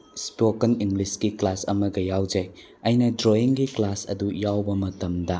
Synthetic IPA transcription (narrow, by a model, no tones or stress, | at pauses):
spokɐniŋɡliskiklasɐ̰mɐɡɐjawd͡ʒɐj | ɐjnɐdɾoiŋɡiklasɐ̰dujawbɐmɐtɐmdɐ